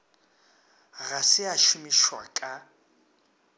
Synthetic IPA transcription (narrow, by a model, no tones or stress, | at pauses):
ɣasɪaʃʊmiʃwakʼa